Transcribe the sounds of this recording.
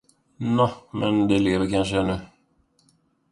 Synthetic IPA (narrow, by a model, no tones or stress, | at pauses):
namɛnd̪ɛleːvəɾkanʂ̬əɛnːɵ